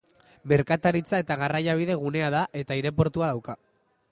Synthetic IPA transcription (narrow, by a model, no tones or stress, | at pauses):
me̞ɾkat̪aɾit͡sae̞t̪aɣarajaβ̞iðe̞ɣ̞une̞aðaʔe̞t̪aiɾe̞p̬o̞ɾt̪uaðawka